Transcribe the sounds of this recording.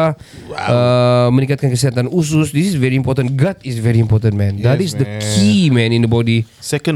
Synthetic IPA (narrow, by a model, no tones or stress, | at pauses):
ʔəmə̃nikat̪̚kankəsiɦat̪anus̬ʊsdisisvɛɹiĩmpɔt̪ə̃nɡat̪isvɛɹiimpɔt̪ə̃nmɛ̃ndatisdəkkʰimɛ̃nĩndəbɔdisɛkə̃n